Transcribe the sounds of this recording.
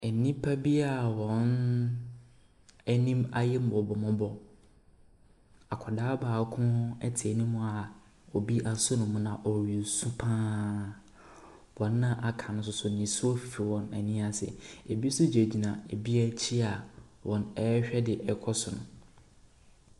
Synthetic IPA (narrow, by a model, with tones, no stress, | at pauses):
ɛ˨nĩ˦pʰa˦bi˦a˨wɔ̃˨n | ɛ˦nĩ˦ma˦jɛ˦m̩˦bɔ˨bɔ˨mʊ̃˦bɔ˦ | a˨kʰɔ˨daː˦baː˨˦kʰʊ̃˦ɛ̰˦tʰɪ˨ɛ˨nĩ˦mʊ̃˦a˨ | ɔ˨bi˦ʔa˦sʊ˦nʊ̃˨mʊ̃˦nã˨ʔɔ˨ɥi˨sũ˦pʰãː˦ | wɔ̃˨nː˦ã˦ʔa˨kʰã˨nʊ̃˦s̬ʊ˦sʊ˨nĩ˨sʊ˦ɔ˦fi˨fi˨wɔ̃˨næ̰˨nĩ˦a˨sɛ̰˨e˨bi˦sʊ˦d͡ʑe˨d͡ʑi˨nã˨e˨bi˦a˦t͡ɕʰi˦a˨ | wʔɔ̃˨nɛ˦ɕᶣɛ˦dɪ˨ʔɛ˨˦kʰɔ˦sʊ˨nʊ̃˨